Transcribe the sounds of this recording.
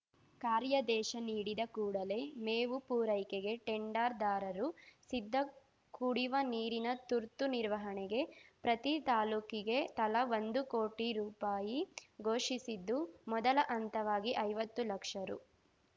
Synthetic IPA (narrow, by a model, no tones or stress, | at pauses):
kaːɾjɐd̪ɛːʃɐniːɽid̪ɐkuːɽɐle̞meːʋupuːɾɐjkeɡe̞ʈeɳɖaːɾd̪aːɾɐɾusid̪ʱːɐ | kuɽiʋɐniːɾinɐt̪uɾt̪uniɾʋɐɦɐɳɛɡe̞pɾɐt̪it̪aːluːkiɡe̞t̪ɐlɐʋond̪ukoːʈiɾuːpaːjiɡo̞ːʂisid̪ːumɔd̪ɐlɐʔɐnt̪ɐʋaːɡiʔɐjʋɐt̪ːulɐkʂɐɾṵ